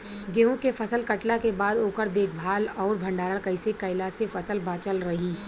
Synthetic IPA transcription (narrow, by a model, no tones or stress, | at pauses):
ɡeːɦõkefɐsəlkɐʈlakebaːd̪oːkəɾd̪eːk̚ʰbʱaːlɔːɾbʱɐ̃ɳɖaːɾəɭkɐɪsekɐɪlasefɐsəlbaːt͡ʃəlɾɐɦiː